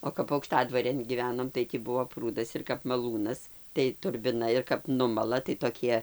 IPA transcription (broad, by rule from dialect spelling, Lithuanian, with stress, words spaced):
oː kɐp ɐʊkˈʃtɑːdʋɐrʲeːn ɡʲiːˈʋʲæːnoːm tɐɪ tʲiː ˈbuɔ ˈpruːdɐs ɪr kɐp mɐˈlˠuːnɐs tɐɪ tʊrʲbʲɪˈnɐ ɪr kɐp ˈnʊmɐlˠɐ tɐɪ toːˈkʲiɛ